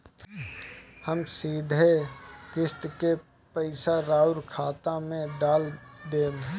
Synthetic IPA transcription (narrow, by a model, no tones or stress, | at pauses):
həmsiːd̪ʱekɪst̪ke | pəɪsaɾaːʊɾkʰaːt̪amẽɖaːld̪eːn